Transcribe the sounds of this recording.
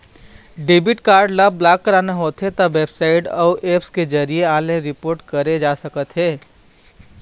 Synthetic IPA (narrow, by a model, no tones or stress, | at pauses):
ɖɪbɪʈkaːɾɖlɐbːlaːkːəɾaːneɦoːt̪ɦet̪ɐbʋeːbsaːɪʈɔːʔeːpsked͡ʒɐɾieaːlẽɾɪpoːɾʈkɐɾed͡ʒaːsɐkət̪ɦeː